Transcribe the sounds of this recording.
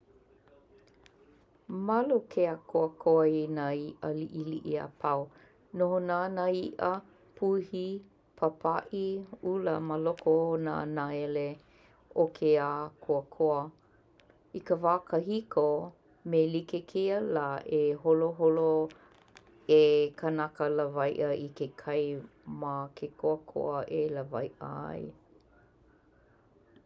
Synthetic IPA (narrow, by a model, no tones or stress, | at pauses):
mɐlukʰeakʰoəkʰoəinaiʔəliʔiliʔia̰pʰaw | nohonanaiʔə | pʰuhi | pʰapʰaʔiuləməlokohonanaele | okʰeakʰoəkʰoə | ikəvaːkʰəɦiko | melikekʰeəlaːʔeholoɦolo | ekʰənakələvɐjʔəʔikekʰɐjmakʰekʰoəkʰo̰əʔeləvɐjʔə̰ɐ̰j